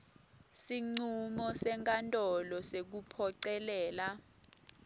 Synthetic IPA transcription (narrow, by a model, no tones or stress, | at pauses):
siŋ͡ǀumɔsɛŋkʼantʼɔlɔsek̬upʰɔǀɛlɛːla